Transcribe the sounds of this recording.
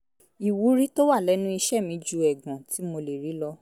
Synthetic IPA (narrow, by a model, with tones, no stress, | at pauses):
i˨wu˨˦ɾi˦to˦wa˦˨lɛ˨˦nũ˦i˧ʃɛ˦˨mĩ˧d͡ʒu˧˦ɛ˨ɡã˨ti˨˦mo˧le˨ɾi˨˦lɔ˧